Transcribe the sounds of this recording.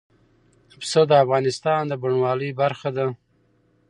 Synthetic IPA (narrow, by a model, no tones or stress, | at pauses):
psəd̪əafɣɑnɪst̪ɑnd̪əbuɳwɑləjbaɾxad̪a